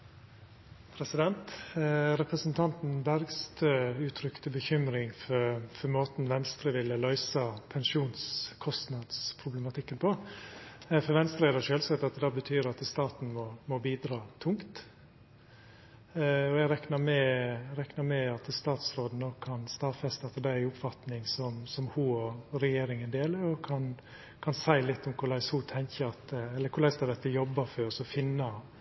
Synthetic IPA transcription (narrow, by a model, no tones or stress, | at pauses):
pʰɾɛsɪd̪ɛnt̪ɾɛpɾəsənt̪ʰɑnt̪n̩bæɾɡst̪øːʉːt̪ʰɾʏkt̪əbəçʏmɾɪŋfɔfɔɾmoːt̪n̩ʋɛnst̪ɾəʋɪlːəlœʏsɑpʰɛnʃuːnskʰɔst̪nɑd̪spʰɾʊbləmɑt̪ʰɪkːənpʰɔ | fɔɾʋɛnst̪ɾeːd̪ɑʃøːlsɛt̪ːɑt̪d̪ɑːbət̪ʰyːɾɑt̪st̪ɑːt̪n̩mɔmɔbiːd̪ɾɑːt̪ʰʊŋkt̪ | ɔɛɡɾɛknɑɾmɛɾɛknɑmɛɑt̪st̪ɑːt̪sɾoːd̪n̩ɔkʰːɑnst̪ɑːʋfɛst̪ɛt̪ːəd̪æɪʊpfɑt̪nɪŋsɔmsɔmhuːɔɾɛjeːɾɪŋənd̪eːləɾɔkʰɑn | kʰɑnsæɪlɪt̪ːʊmkʰʊɭæɪshuːt̪ʰɛŋçəɑt̪ɛlːəɾkʰʊɾɭæɪsd̪ɑd̪ɛt̪ːəjɔbːɑføɾsɔfɪnːɑ